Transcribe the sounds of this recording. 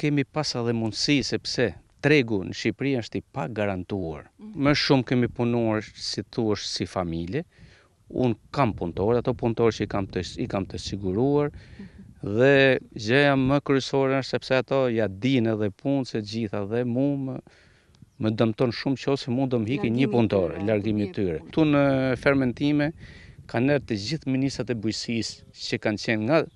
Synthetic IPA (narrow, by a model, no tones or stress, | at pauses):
kɛmipasaðɛmund̪sisɛpsɛt̪ɾɛɡunəʃipɾiəʃt̪ipaɡaɾant̪ua̰ɾməʃumkɛmipunuaɾsiθuəʃsifamilɛ | ṵnkampunt̪ɔɾɛat̪ɔpunt̪ɔɾt͡ʃəikamt̪əikamt̪əsiɡuɾuaɾ | ðɛzɛjaməkɾyɛsɔɾɛsɛpsɛat̪ɔjad̪inɛðɛpunsɛtd͡ʑiθaðɛmumə | məd̪əmt̪ɔnʃumt͡ʃɔsɛmud̪ɔmɦikiɲəpunt̪ɔɾɛlaɾɡimit̪yɾɛt̪unəfɛɾmɛnt̪imɛkanɛɾt̪əd͡ʑiθminist̪at̪ɛbujsis | t͡ɕəkant͡ɕɛnŋɡa